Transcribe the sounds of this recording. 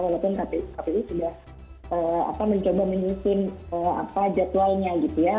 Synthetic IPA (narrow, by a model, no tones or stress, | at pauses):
walopʊnkapikapit̪usudah | ʔəːa̰paməɲt͡ʃobamiɲisɪnəːa̰pad͡ʒat̪ualɲaɡit̪uja